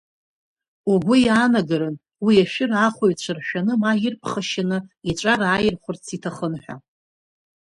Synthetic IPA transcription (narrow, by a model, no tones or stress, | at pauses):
uɡʷʊjaːnaɡaɾɨn | wiaʃᶣɪraχʷojt͡ɕʷʰɨrʃᶣanɨmaɪrpʰχəʃanɨiʈ͡ʂʷʼaɾaːjɪrχʷʊrt͡sʰitʰaχənħʷᶣa̰